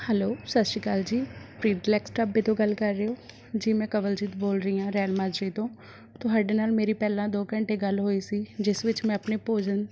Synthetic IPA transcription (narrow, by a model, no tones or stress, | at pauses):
hɛloːsət̪ʃiːkaːld͡ʒiːpɾiːɖɪlɛːksʈaːbiːt̪õːɡəlkəɾːeːɦoː | d͡ʒiːmɛ̃ːkəʋəld͡ʒiːt̪ːboːlɾəiːãːɾɛːlmaːd͡ʒɾiːt̪õː | t̪õːɦaɖeːnaːlmeːɾiːpɛːlãːd̪oːkəɳʈeːɡəlɦoːiːsiːd͡ʒɪsʋɪt͡ʃmɛ̃ːəpneːpoːd͡ʒən